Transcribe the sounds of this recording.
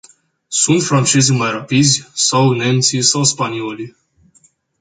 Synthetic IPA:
sunt̪fɾant͡ʃezimajrapid̪zʲsawne̞nt̪sisawspanio̞li

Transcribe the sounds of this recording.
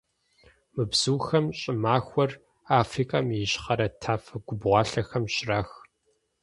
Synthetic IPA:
mɨbz̥uːxɐmɕʼɪmaːxʷɔr | aːfriːkʼamjɪɕχɐɾɐtʰaːfɐɡ̥ʷʊbʁʷɑːɬɐxɐmɕɪraːx

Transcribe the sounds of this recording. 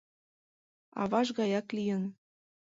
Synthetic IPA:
ɑ̰βɑʃɣɑjɑklijə̆n

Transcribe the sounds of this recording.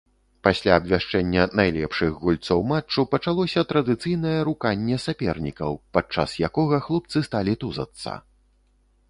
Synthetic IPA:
pasʲlʲaːbvʲaʂt͡ʂɛnʲːɐnajlʲɛ̰pʂɨɣɣulʲt̪sɔwmat͡ʂːupɐt͡ʂalˠɔsʲɐt̪ɾɐd̪ɨt̪sɨjnɐjɛɾukanʲːɛsapʲɛrnʲikɐ̰wpat͡ʂːa̰sjakɔɣɐxlˠup̚t̪sɨst̪alʲit̪uzɐ̰t̪sːɐ̰

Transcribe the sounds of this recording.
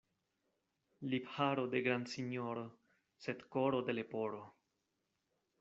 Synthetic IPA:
liphaɾode̞ɡɾandsiɲo̞ɾo | se̞dkoɾo̞de̞le̞po̞ɾo

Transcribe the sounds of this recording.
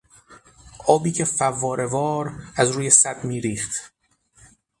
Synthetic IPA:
ʔɒːbiːcʰefævːɒːɾʔe̞vɒːɾæzɾuːje̞sæd̪miːɾiːχt̪

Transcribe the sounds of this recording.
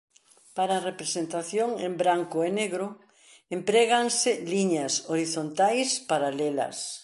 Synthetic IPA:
paɾaːrepɾesent̪aθjoŋembɾaŋkʊeneɣɾʊ | empɾɛɣaŋsɪliɲɐsoɾiθont̪ajspaɾalɛlɐ̰s

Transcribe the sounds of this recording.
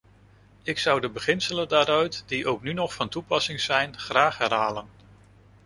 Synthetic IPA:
ɪksʌwdəbəχɪnsələndaːɾœɥtdiʔowknynɔχfɑntupɑsɪŋz̥ɛjnχraːχɦɛrɦaːlən

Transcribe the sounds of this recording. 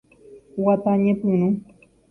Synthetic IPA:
wat̪aɲepɨnu

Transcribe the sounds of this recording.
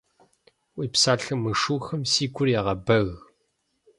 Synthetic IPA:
wiːpsaːɬɨmɨʂuːxɐmsiːɡʷʊrjɛʁɐbɐɣ

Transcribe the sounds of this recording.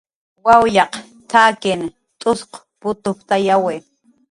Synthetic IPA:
wawjɑq | t̪ʰaːkɪn | t̪ʼʊsq | pʊt̪ʊpt̪ajawɪ

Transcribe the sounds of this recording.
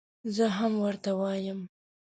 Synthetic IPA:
zəɦamwəɾt̪awɑjəm

